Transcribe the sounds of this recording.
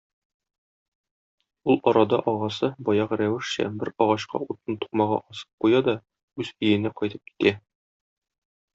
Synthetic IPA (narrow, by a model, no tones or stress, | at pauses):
ulˠɒɾɑd̪ɑʔɒʁɑsɤbɒjɑʁɾæwɘ̆ʃɕæ̰bɘɾɒʁɑɕqɑ̰ut̪ːɤnt̪u̥qmɑʁɑ̰ʔɒsɤ̥p̚qujɑd̪ɒ | ʉzɵ̆jɘ̆næqɒjt̪ɤp̚ki̥t̪æ